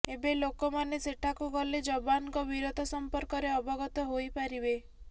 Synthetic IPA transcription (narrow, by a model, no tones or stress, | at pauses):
ebelokɔmaneseʈʰakuɡɔled͡ʒɔbankɔbiɾot̪ɔsɔmpɔɾkɔɾeɔbɔɡɔt̪ɔɦojpaɾibe